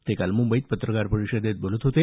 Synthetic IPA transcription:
t̪ekalmumbəjt̪̚pət̪ɾəkaɾpəɾiɕəd̪ʱet̪̚bolət̪ɦot̪e

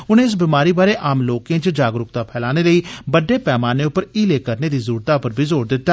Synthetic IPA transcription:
ʊnẽːɪs̬biːmaːɾiːbaːɾeːʔaːmloːkẽːt͡ʃd͡ʒaːɡɾʊk̚t̪aːpʰɛːlaːneːləiːbəɖːeːpɛːmaːneːʊpːəɾiːleːkəɾneːd̪iːzʊɾuːɾt̪aːpəɾbʱiːzoːɾd̪ɪt̪ːaː

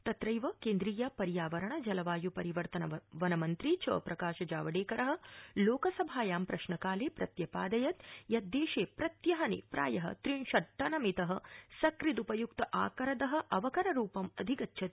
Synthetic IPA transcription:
t̪ɐt̪ɾɐjʋɐkeːnd̪ɾiːjɐpɐɾjaːʋɐɾɐɳɐd͡ʒɐlɐʋaːjupɐɾiʋɐɾt̪ɐnɐʋɐnɐmɐnt̪ɾit͡ʃɐ̰ːpɾɐkaːʃɐd͡ʒaːʋɐɽeːkɐɾɐɦɐ̆loːkɐsɐbʱaːjaːmpɾɐʃɳɐkaːleːpɾɐt̪jɐpaːd̪ɐjɐt̪̚jɐd̪ːeːʃeːpɾɐt̪jɐɦɐnḭpɾa̰ːjɐɦɐ̰t̪ɾiɳʃɐʈːɐnɐmit̪ɐɦɐ̆sɐkɾit̪upɐjukt̪ɐʔaːkɐɾɐd̪ɐɦɐ̆ʔɐʋɐkɐɾɐɾuːpɐmɐd̪ʱikɐtːʃʰɐt̪̚

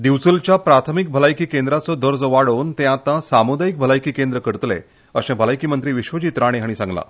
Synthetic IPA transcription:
d̪iʋt͡sult͡ɕjapɾat̪ʰəmik̚bʱəlajkiːkend̪ɾat͡sɔd̪ʱəɾd͡zɔʋaɽont̪ɛ̃at̪ãsamud̪ajik̚bʱəlajkiːkend̪ɾəkəɾt̪lḛ | əɕẽbʱəlajkiːmənt̪ɾiːʋiɕʋəd͡ʑiːt̪ɾaɽ̃eɦaɽ̃isãŋɡla̰

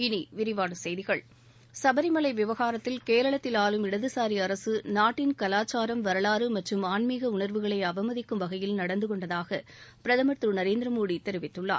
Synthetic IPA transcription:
ɪniʋɪɾɪʋaːɽɯsɛjðɪɣɐɭ | sɐbɐɾɪmɐlɐɪʋɪʋɐɣaːɾɐt̪ːɪlkeːɾɐɭɐt̪ːɪlaːlɯmɪɽɐðɯsaːɾiɐɾɐsɯnaːʈːɪnkɐlaːt͡ʃːaːɾɐmʋɐɾɐɭaːɾɯmɐʈrɯmaːɳmiːɣɐʊɳɐɾʋɯɣɐɭɐɪɐbɐmɐðɪkːɯmʋɐɣɐjɪlnɐɽɐnd̪ɯkɔɳɖɐðaːɣɐpɪɾɐðɐmɐt̪ɾɯnɐɾeːnd̪ɾɐmuːɽit̪ːɛɾɪʋɪt̪ːɯɭːa̰ː

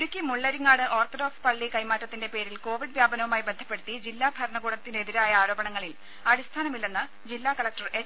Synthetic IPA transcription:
ɾukʲːimuɭːɐɾiŋːaːɽɨʔo̞ːrt̪ʰoɖoːkspɐɭːikɐjmaːtːɐt̪ːinde̞pe̞ːɾilko̞ːʋiɖʋjaːbɐnɐʋumaːjibe̞nd̪ʱɐpːe̞ɽut̪ːid͡ʑilːaːbʱɐɾɐɳɐɡuːɽɐt̪ːineeðiɾaːjɐaːɾo̞ːbɐɳɐŋːɐɭil | ɐɽist̪ʰaːnɐmilːenːɨ | d͡ʑilːaːkɐlɐk̚ʈɐre

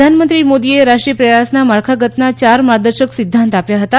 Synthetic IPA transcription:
anmənt̪ɾiːmod̪ijeɾaʂʈɾijəpɾəjasnamaɭkʰaɡət̪nat͡ɕaɾmaɾd̪əɾɕəksid̪ʱːant̪apjaɦət̪a

